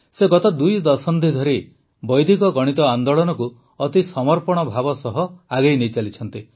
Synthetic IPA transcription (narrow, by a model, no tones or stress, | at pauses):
seɡɔt̪ɔd̪ujd̪ɔsɔnd̪id̪ʱɔɾi | bɔjd̪ʱikɔɡɔɽ̃it̪ɔand̪oɭɔnɔku | ɔt̪isɔmɔɾpɔɽ̃ɔbʱabɔsɔɦɔaɡejnejt͡ʃalit͡ʃʰɔnt̪i